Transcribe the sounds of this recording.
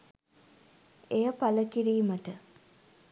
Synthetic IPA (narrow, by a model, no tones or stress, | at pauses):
ejəpaləkiɾiːməʈə